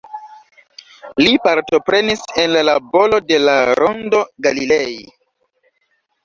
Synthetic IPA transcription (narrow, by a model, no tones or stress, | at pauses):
lipaɾto̞pɾe̞nise̞nllabo̞lo̞de̞laɾʔondo̞ɡalilej